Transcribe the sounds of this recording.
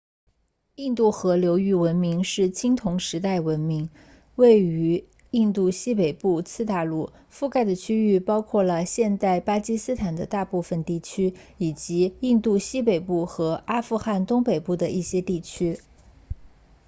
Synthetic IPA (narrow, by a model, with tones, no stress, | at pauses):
i˥˧nt̪u˥˩xɤ˧˥ljo˧˥ʊy˥˩wə˧˥nmi˧˥ŋʂɻ̩˥˩t͡ɕʰi˥ŋt̪ʰʊ˧˥ŋʂɻ̩˧˥t̪a˥˩ɪwə˧˥nmi˧˥ŋ | we˥˩ɪy˧˥ | i˥˧nt̪u˥˩ɕi˥pe˨˩ɪpu˥˧t͡sʰɹ̩˥˧t̪a˥˧lu˥˩ | fu˥˧ka˥˩ɪd̪ə˩t͡ɕʰy˥y˥˩pɑ˥ʊkʰwɔ˥˩lə˩ɕjɛ˥˧nt̪a˥˩ɪpa˥t͡ɕi˥sɹ̩˥t̪ʰa˨˩nd̪ə˦t̪a˥˧pu˥˩fə˨˩nt̪i˥˩t͡ɕʰy˥ | i˨˩t͡ɕi˧˥i˥˧nt̪u˥˩ɕi˥pe˨˩ɪpu˥˩xɤ˧˥ʔa˥fu˥˧xa˥˩nt̪ʊ˥ŋpe˨˩ɪpu˥˩d̪ə˩ʔi˥˩ɕjɛ˥t̪i˥˩t͡ɕʰy˥